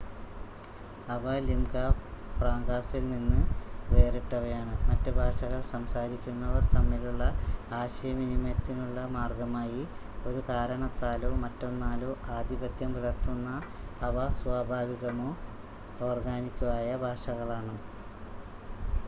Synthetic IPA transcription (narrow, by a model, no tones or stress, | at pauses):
ɐʋɐlimɡɐpraːŋɡaːsilninːɨʋe̞ːreʈːɐʋɐjaːɳɨmɐtːɨbʱaːʂɐɣɐɭsɐmsaːɾikʲːunːɐʋɐrt̪ɐmːiluɭːɐaːɕɐjɐminimet̪ːinuɭːɐmaːrɡɐmaːji | o̞ɾut̪aːɾɐɳɐt̪ːaːloːmɐtːo̞nːaːloːʔaːd̪ʱibɐd̪jɐmpɐlɐrt̪ːunːɐ | ɐʋɐsʋaːbʱaːʋiɣɐmo̞ː | o̞ːrɡaːnikʲːuʋaːjɐbʱaːʂɐɣɐɭaːɳɨ